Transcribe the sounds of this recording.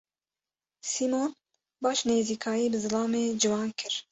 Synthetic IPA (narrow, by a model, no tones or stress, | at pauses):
siːmoːn | bɑːʃneːziːkʰɑːjiːbɨzɨlɑːmeːd͡ʒɨwɑːnkʰɨɾ